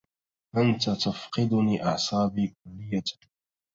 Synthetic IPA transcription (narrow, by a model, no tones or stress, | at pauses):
ʔant̪at̪afqɨd̪ʊniːʔɑʕsˤɑːbiːkʊlːɪjːa